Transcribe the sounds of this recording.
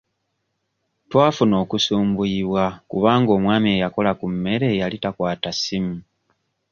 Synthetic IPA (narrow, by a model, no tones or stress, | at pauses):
twaːfuno̞ːkusuːmbuiβwakuβaːŋɡo̞ːmwaːmie̞jako̞lakumːe̞ɾe̞jalitakwaːtasimu